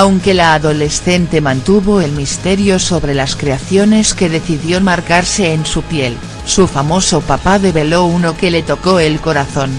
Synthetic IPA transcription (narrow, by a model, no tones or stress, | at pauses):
awŋke̞laːðo̞le̞sθe̞nt̪e̞mãnt̪uβo̞elmist̪e̞ɾjo̞so̞βɾe̞laskɾeaθjo̞ne̞ske̞ðe̞θiðjo̞maɾkaɾse̞ːnsupje̞l | sufamo̞so̞papaðe̞βe̞lo̞uno̞ke̞le̞t̪o̞ko̞e̞lko̞ɾaθo̞n